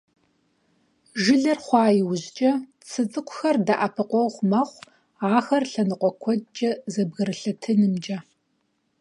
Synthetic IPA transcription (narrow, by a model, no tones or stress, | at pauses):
ʒɪɮɐrχʷɑːjɪwʊʑt͡ʃʼɐ | t͡sʰɨt͡sʼɨkʷʰʊxɐrdaʔɐpʰɨqʷɔʁʷmɐχʷ | aːxɐrɬɐnɨqʷɔkʷʰɔt͡ʃʼɐzɐbɣɐɾɨɬɐtʰɨnɨmd͡ʒʼɐ